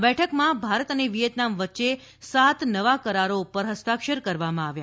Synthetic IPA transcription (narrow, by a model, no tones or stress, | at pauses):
bɛʈʰəkmãbʱaɾət̪əneʋijət̪namʋətːʃe | sat̪nəʋakəɾaɾopəɾɦəst̪akʃəɾkəɾʋamãaʋja̰